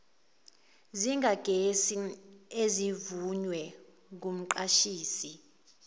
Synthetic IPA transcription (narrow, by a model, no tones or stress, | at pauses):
ziŋɡʱaɡ̥ʱesiezivuɲwɛ | k̬um̩ǃaʃiːsi